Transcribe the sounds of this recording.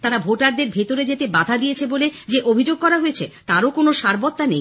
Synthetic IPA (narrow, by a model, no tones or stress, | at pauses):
t̪aɾabʱoʈaɾd̪eɾbʱet̪oɾed͡ʑet̪ebad̪ʱad̪ijet͡ɕʰeboled͡ʑeʔobʱid͡ʑoɡ̚kɔɾaɦojet͡ɕʰet̪aɾokonoʃaɾbot̪ːanej